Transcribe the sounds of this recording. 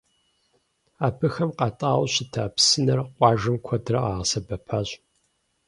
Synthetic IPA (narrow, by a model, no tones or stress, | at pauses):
aːbʰɨxɐmqɑtʼaːwɕɪtʰaːpsɨnɐrqʷʼɑːʒɐmkʷʰɔdrɐʔaːʁsɐbɐpʰaːɕʼ